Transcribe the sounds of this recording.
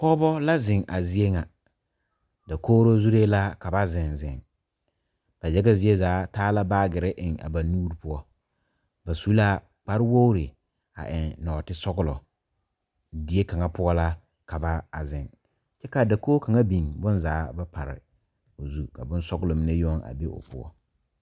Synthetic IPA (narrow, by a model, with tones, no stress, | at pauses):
pɔ˦bɔ˦la˦zɪ˨ŋʔa˨zɪ˦e˦ŋa˨ | da˨koː˦ɾo˦zu˦ɾe˦la˦ka˨ba˦zɪ˨nzɪ˨ŋ | b̥a˨jɛ˦ɡɛ˦zɪ˨e˦zaː˨˦taː˦la˦baː˦ɡɪ˨ɾɪ˦ʔɪ˨ŋa̰˨ba˨nuː˦ɾi˦pʊ˦ɔ˦ | ba˨su˦la˦ | k͡pa˦ɾɪ˦wo˦ɾɪ˨ | a̰˨ʔɪ˨nnɔː˨tɪ˦sɔ˦ɡʊ˦lɔ˨ | dɪ˨e˦ka˨ŋa˦pʊ˦ɔ˦la˦ | ka˨ba˦a˨zɪ˨ŋ | t͡ʃɛ˦ka˨da˨koː˦ka˨ŋa˦bi˨nbʊ˦nzaː˨˦ba˦pʰa˨ɾɪ̰˨ | o˨zu˦ka˨bʊ˦n˦sɔ˦ɡʊ˦lɔ˨mɪ˦ne˦jɔ˦ŋa̰˨be˦ʔʊ̰˨pʊ˦ɔ̰˦